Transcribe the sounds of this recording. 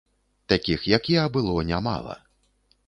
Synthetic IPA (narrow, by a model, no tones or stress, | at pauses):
t̪akʲixjakʲiɐbɨlˠɔnʲama̰lˠɐ̰